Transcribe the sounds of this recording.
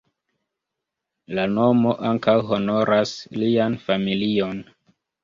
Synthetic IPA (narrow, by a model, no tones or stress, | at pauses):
lano̞mo̞ʔaŋkawɦo̞no̞ɾʔaslianfamilio̞n